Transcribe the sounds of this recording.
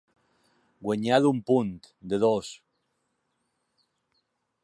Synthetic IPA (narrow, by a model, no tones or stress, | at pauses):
ɡweɲaðumpunt̪ | d̪eðos